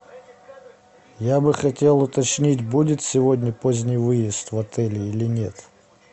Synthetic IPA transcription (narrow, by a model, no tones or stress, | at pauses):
jabɨxɐtʲe̞lˠʊt̪ɐt͡ɕnʲitʲbudʲɪt̪sʲɪvodʲnʲəpozʲnʲɪjvɨjɪst̪vɐt̪ɛlʲɪilʲɪnʲe̞t̪